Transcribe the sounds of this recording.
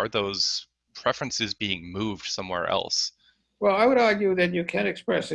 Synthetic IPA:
ə˞ðoʊz̥ | pʰɹ̥ɛfɹɨ̃nsɨzbiɪ̃ŋmuvd̥sʌ̃mwɛ̰ɹʔɛ̰lˠs | wɛlˠaɪwəɾɑɹɡjʉðɨt͡ʃɨkʰɨ̃nɨkspɹɛsɨ

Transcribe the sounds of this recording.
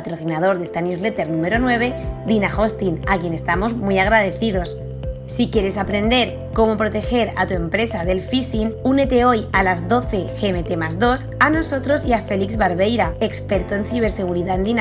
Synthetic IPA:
at̪ɾo̞θinað̞o̞ɾðe̞st̪anjuzle̞t̪e̞ɾnũme̞ɾo̞nwe̞β̞e̞d̪inaxo̞st̪inakje̞ne̞st̪amo̞zmujaɣ̞ɾað̞e̞θiðo̞s | sikje̞ɾe̞sapɾe̞nd̪e̞ɾ | ko̞mo̞pɾo̞t̪e̞xe̞ɾa̰t̪ue̞mpɾe̞saðe̞lfisinune̞t̪e̞o̞jalazðo̞θe̞xe̞me̞t̪emazðo̞sano̞so̞t̪ɾo̞siafe̞likzβaɾβe̞jɾae̞kspe̞ɾt̪oe̞nθiβ̞e̞ɾse̞ɣ̞uɾiðaend̪ina

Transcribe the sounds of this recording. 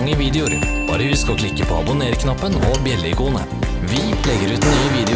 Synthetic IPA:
ŋːəʋiːd̪ɛʊɾ | b̥ɑ̰ːɾəʋɪskɑkʰlɪkːəpʰo̰ːɑ̰bʊneːɾkʰnɑpːənɔbjɛlːəɪkʰuːnə̰ | ʋɪpʰlɛɡəɾʉːt̪nyːəʋiːd̪ɛ

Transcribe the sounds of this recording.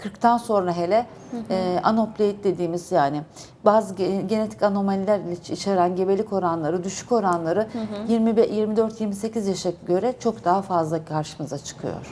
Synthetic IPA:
kʰɯɾkt̪ʰanso̞nɾaɦe̞lʲɛː | ʔano̞plʲejit̪̚d̪e̞d̪iːmiz̥jaːnɪ | baːzɯɟe̞ne̞t̪ʰi̥cano̞malʲilʲæɾlʲɛit͡ʃʰaɾanɟe̞be̞lʲiko̞ɾanlˠaɾɯd̪yʃy̥ko̞ɾanlˠaɾɯjiɾmibjiɾmid̪ø̞ɾt̪jiɾmise̞cizjaʃaɟø̞ɾɛt͡ʃʰo̞kd̪aɦafazlˠakʰaɾʃɯmɯzat͡ʃʰɯ̥kʰɯjo̰ɾ̥

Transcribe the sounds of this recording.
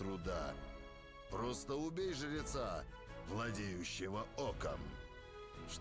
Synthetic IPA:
t̪ɾʊd̪a | pɾɔst̪əʊbʲejʐɨɾʲɪt̪sa | vlˠɐdʲejʉɕːɪvəɔkə̰m | ʂ

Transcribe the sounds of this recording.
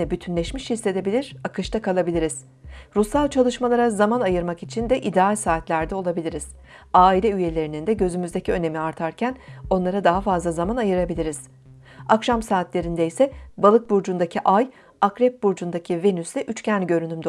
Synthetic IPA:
ɛbyt̪ʰynlʲɛʃmiʃhisːe̞d̪e̞bilʲiɾ̥akɯʃt̪akʰalˠabilʲiɾiz̥ | ɾusalʲˠt͡ʃʰalˠɯʃmalˠaɾazamanajɯɾmakit͡ʃʰind̪ɛʔid̪ɛalʲsaːt̪lʲæɾd̪ɛo̞lˠabilʲiɾiz̥ | aːilʲɛyje̞lʲe̞ɾinind̪ɛɟø̞zymyzd̪e̞cʰiø̞ne̞miaɾt̪ʰaɾcʰæno̞nlˠaɾad̪aɦafazlˠazamanajɯɾabilʲiɾiz̥ | akʃamsaːt̪lʲe̞ɾind̪ɛjsɛbalˠɯk̚buɾd͡ʒund̪acʰiʔaj | akɾɛp̚buɾd͡ʒund̪acʰive̞nysd̪ʲɛʔyt͡ʃcʰænɟø̞ɾynymd̪

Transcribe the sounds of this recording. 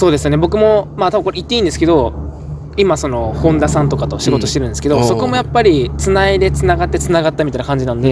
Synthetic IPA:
so̞ːd̪esɨjo̞ne̞bo̞kɯ̟mo̞maːt̪abɯŋkoɾeit̪ːe̞ĩnd̪esɨ̥ke̞d̪o̞ | imaso̞no̞hõ̞nd̪asãnt̪o̞kat̪o̞ɕiɡooi̥t̪eɾɯ̟neske̞d̪o̞so̞ko̞mo̞japːaɾʲit͡sɨnaid̪e̞t͡sɨnaɡat̪ːe̞t͡sɨnaɡat̪ːamʲit̪ainakãɲ̟d͡ʑinãnd̪e

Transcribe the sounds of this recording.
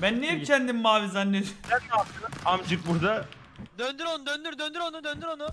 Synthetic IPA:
bænːejicʰɛnd̪immaːvizanːeɾsænːat̪ɯamt͡ʃɯk̚buɾd̪a | d̪ønd̪yɾonud̪ønd̪yɾd̪ønd̪yɾonud̪ønd̪yɾonu

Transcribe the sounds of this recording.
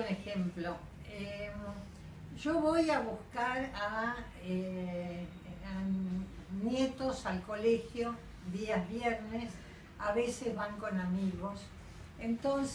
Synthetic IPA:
unexemplo | e | ʒoβo̞jaβuskaɾa | e | a | njet̪osalko̞lexjo̞ | ðiaβjeɾnes | aβesezβaŋko̞namiɣo̞s | ent̪ons

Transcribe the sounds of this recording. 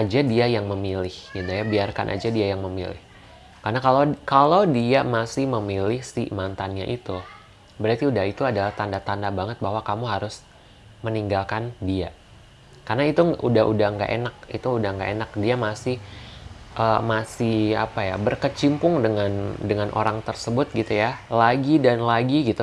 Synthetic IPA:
ʔad͡ʒadiajaŋməmilɪhɡid̪ajabiarka̰nʔa̰d͡ʒadiajaŋməmḭlɪ̰h | karnakalakalodiamasɪhməmilɪhsḭmant̪anɲa̰ʔit̪u | bəɾart̪iudaɦit̪uadalaht̪andat̪andabaŋət̪̚baɦwakamuɦaɾʊs | məniŋɡalkandia | karnait̪uʔudaɦudahŋɡa̰ʔḛnak̚it̪uːdahŋɡa̰ʔenak̚diamasɪh | ʔəːmasɪha̰paja̰bərkət͡ʃimpʊŋdəŋandəŋanʔo̰ɾaŋt̪ərsəbʊt̪̚ɡit̪ujalaɡidanlaɡiɡit̪u

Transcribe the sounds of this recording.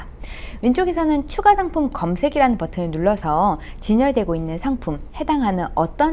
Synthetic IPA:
wint͡ɕoɡe̞sʰʌnɯnt͡ɕʰuɡasʰaŋpʰumkʌmsʰe̞ɡiɾanɯnpʌtʰɯenuɭːʌsʰʌ | t͡ɕiɲʌɭdwe̞ɡoinːɯnsʰaŋpʰumhe̞daŋɦanɯnʌt͈ʌ

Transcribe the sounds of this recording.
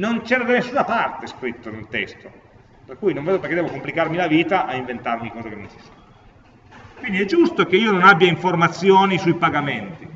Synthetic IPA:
nont͡ʃɛːɾad̪anesːunapart̪eskɾit̪ːonelt̪ɛ̰st̪o | perkuːjnõɱved̪opeɾkːed̪ɛvokomplikarmilaviːt̪aʔaiɱvent̪armikɔːzakenːont͡ʃi̥sḁ | kwind̪iɛd͡ʒːust̪ok̟eiːononabːjaiɱformat̪sːjoːnisujpaɡament̪i

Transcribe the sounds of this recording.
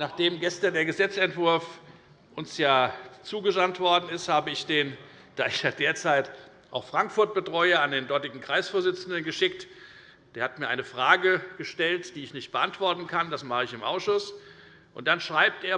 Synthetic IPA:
naːχd̥eːmɡɛstandeːɐɡəzɛt͡sɛntv̥ʊɐf | ʔʊnsjaːt͡suːɡəzantv̥ɔɐdn̩ɪsthaːbəɪçd̥eːn | d̥aːɪçjaːdeːɐt͡saɪt | ʔa̰ʊxfʁ̥aŋkfʊɐt̚b̥ətʁ̥ɔʏəandeːndɔɐtɪɡŋ̩kʁ̥aɪsfoːɐzɪt͡sn̩dənɡəʃɪkt | d̥eːɐhatmiːɐʔaɪnəfʁ̥aːɡəɡ̥əʃtɛltd̥iːɪçnɪçt̚b̥əʔantv̥ɔɐtn̩kʰandasmaχəɪçɪmʔa̰ʊsʃʊs | ʔʊ̰nt̚d̥anʃʁ̥aɪp̚tʔeːɐ

